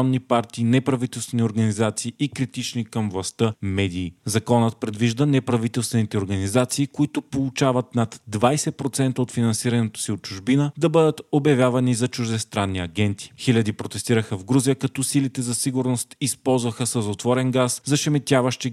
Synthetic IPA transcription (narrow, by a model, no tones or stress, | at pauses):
nːipaɾt̪iːnɛpɾɐvit̪ɛlˠst̪vɛnʲioɾɡɐnizat̪siːikɾit̪it͡ʃnikɐmvlˠɐst̪əmɛd̪iːzɐkɔnət̪̚pɾɛd̪viʒd̪ənɛpɾɐvit̪ɛlˠst̪vɛnit̪ɛoɾɡɐnizat̪siːkoit̪ʊpolˠut͡ʃavɐt̪nat̪d̪vajsɛpɾot̪sɛnt̪əot̪finɐnsiɾɐnɛt̪o̥siot̪̚t͡ʃuʒbinəd̪ɐbɤd̪ət̪objɐvʲjavɐnizɐt͡ʃuʒd̪ɛst̪ɾanːiɐɡʲɛnt̪i̥xilʲɐd̪ipɾot̪ɛst̪iɾəxəvɡɾuzijəkɐt̪ɔsilit̪ɛzɐsiɡʊɾnost̪ispɔlˠzvɐxəsəzot̪vɔɾɛnɡaszɐʃɛmɛt̪ʲavɐʃt̪i